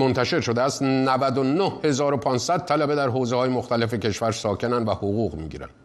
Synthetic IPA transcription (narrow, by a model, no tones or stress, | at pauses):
mo̞nt̪ʰæʃe̞ɾʃo̞d̪eæst̪nævæd̪onohhe̞zɒːɾo̞pʰɒːnsæd̪̚t̪ʰːælæbe̞d̪æɾɦoːzehɒːjemoxt̪æle̞fe̞cʰe̞ʃvæɾsɒːcʰe̞nænd̪væhoɣuːɣmḭɟḭːɾæ̰n̥